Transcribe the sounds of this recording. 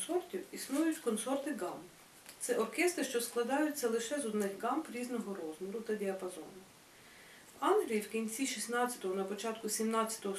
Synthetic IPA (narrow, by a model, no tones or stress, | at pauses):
sɔrtʲiwisnujʊtʲkɔnsɔrt̪ɪɡɑmp | t̪sɛʔɔrkɛst̪ɾɪʃt͡ʃɔsklˠɐd̪ɑjʊtʲt͡sʲɐlˠɪʃɛzɔd̪nɪxɡɑmpɾʲiznɔɦɔɾɔzmɔɾʊt̪ɐdʲiɐpɐzɔ̰nʊ | wɑnɦɾʲijiwkʲinʲt͡sʲiʃʲisnɑɐ̥t̪ɔɦɔnɐpɔt͡ʃɑt̪kʊsʲimnɑt͡sʲːɐ̥t̪ɔɦɔ